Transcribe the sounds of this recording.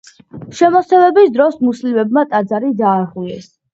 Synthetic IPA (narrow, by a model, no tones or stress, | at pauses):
ʃɛmɔsɛvɛbisd̪ɾɔsmuslimɛbmat̪ʼad̪zaɾid̪aːʁilɛs